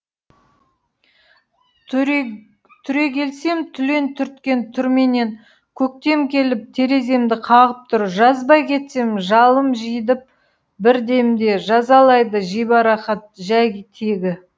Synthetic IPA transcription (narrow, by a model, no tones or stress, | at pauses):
t̪ʰʏɾe̞kʲʰe̞lse̞mt̪ʰʏle̞nt̪ʰʏɾt̪kʲe̞nt̪ʰʏɾme̞ne̞ŋ | kʲʰɵk̚t̪e̞mkʲʰe̞lɪp̚t̪ʰe̞ɾe̞ze̞md̪ɪqʰɑʁəp̚t̪ʰʊɾʒɑzbɑjkʲʰe̞t̪se̞mʒɑlˠəmʒijd̪ɪp̚ | bɪɾd̪e̞md̪e̞ʒɑzɑlˠɑjd̪əʒijbɑɾɑχɑt̪̚ʒæjʲt̪ʰeɡʲɪ